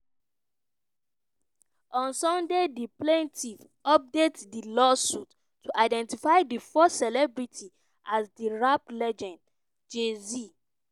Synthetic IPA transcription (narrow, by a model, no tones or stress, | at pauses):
ɔ̃nsɔ̃ndediplẽntʰiv | ɔp̚detdilɔsutʰː | uʔaɪdɛ̃ntifaɪdifɔstsɛlɛbɹitʰi | ʔazdiɹaplɛd͡ʒɔ̃nd | d͡ʒezi